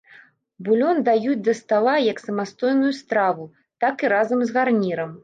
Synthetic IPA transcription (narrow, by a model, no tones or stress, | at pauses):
bulʲɔnd̪ajud͡zʲd̪ɐst̪alˠajɐksɐmast̪ɔjnujust̪ɾavu | t̪akiɾazɐmzɣarnʲiɾɐm